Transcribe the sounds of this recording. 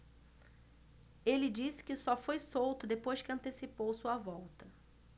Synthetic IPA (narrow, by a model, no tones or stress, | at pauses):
elɪd͡ʒisɪ̥kɪsɔfojsowt̪ʊd̪epojʃkɪɐ̃nt̪esipowsuɐvɔwt̪ɐ